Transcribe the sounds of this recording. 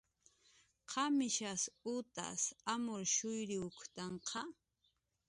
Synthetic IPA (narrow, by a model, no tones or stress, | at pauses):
qʰɑmɪʃasʊt̪a̰samʊɾʃʊjɾɪʊkt̪ɑɴqʰɑ